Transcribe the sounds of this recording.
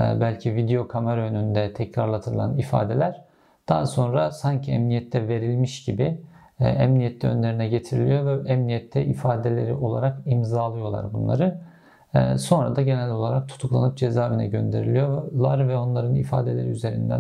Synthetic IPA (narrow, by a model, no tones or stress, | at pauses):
bælʲcʰivid̪eo̞kʰameɾaønynd̪ɛt̪ʰɛcɾaɾlˠat̪ʰɯɾɯlˠa̰nifa̰ːd̪e̞lʲæɾ̥ | d̪̥aːso̞nɾasaɲcʰiɛmnijɛt̪ʰːɛve̞ɾilʲmiʃɟibi | ɛmnijɛt̪ʰːɛø̞nlʲeɾinɛɟe̞t̪ʰiɾilʲijo̞vɛɛmnijɛt̪ʰːɛʔifaːd̪elʲe̞ɾiʔo̞lˠa̰ɾakimzaːlˠɯjo̞lˠa̰ɾbunlˠa̰ɾɯː | so̞nɾa̰d̪aɟenælʲo̞lˠaɾak̚t̪ʰu̥t̪ʰuklˠanɯp̚d͡ʒe̞zaːvinɛɟø̞nd̪e̞ɾilʲijo̞lˠaɾvɛo̞nlˠaɾɯnifaːd̪e̞lʲe̞ɾiyze̞ɾḭnd̪æ̰